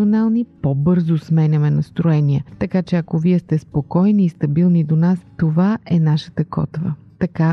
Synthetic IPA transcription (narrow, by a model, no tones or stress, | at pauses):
onalˠnipobɤɾzosmɛnʲɐmɛnɐst̪ɾoɛniət̪ɐkat͡ʃɛɐkoviɛst̪ɛspokɔjniːst̪ɐbilˠnid̪onast̪ovaʔɛnaʃə̥t̪əkɔ̰t̪və̰ | t̪ɐka